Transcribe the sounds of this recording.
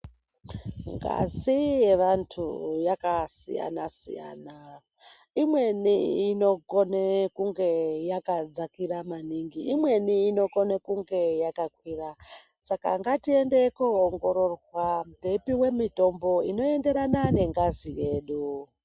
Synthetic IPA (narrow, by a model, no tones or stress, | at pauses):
ŋɡa̰zije̞ʋantʰujakasḭja̰nasḭja̰ːna | imwe̞niːno̞konekuŋɡe̞jakad͡zakiɾamaniŋɡiːmwe̞niːno̞ko̞nekuŋɡe̞jakakwiːra | sakaŋɡatie̞nde̞kuoŋɡo̞ɾo̞rwwam̩dʱepiwe̞mito̞mbo̞ino̞e̞nde̞ɾanane̞ŋɡazije̞ːɗu